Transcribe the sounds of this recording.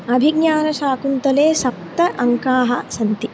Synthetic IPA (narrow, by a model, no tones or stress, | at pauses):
ɐbʱiɡɲaːnɐʃaːkunt̪ɐleːsɐp̚t̪ɐʔɐŋkaːɦɐsɐnt̪i